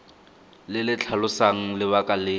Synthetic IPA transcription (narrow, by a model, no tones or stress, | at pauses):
lɪlɪt͡ɬʰalʊsaŋ̩lɪβakʼalɪː